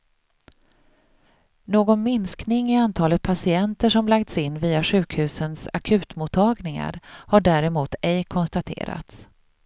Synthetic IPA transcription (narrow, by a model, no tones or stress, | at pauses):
noːɡɔnmɪnsknɪŋɪant̪ʰɑːlət̪̚pʰasɪɛnt̪əʂɔmlak̚t̪sɪnːviːaɧʉ̟ːkhʉ̟ːsənsa̰kʰʉ̟ːt̪mut̪ʰːɑːɡnɪŋa̰ɾhaɖæːɾɛmuːt̪ʰɛjkʰɔnst̪at̪ʰḛːɾa̰t̪s